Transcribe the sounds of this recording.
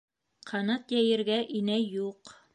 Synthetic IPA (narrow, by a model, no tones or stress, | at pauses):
qʰɑnɑt̪jæjɘ̆ɾɡæʔinæjuq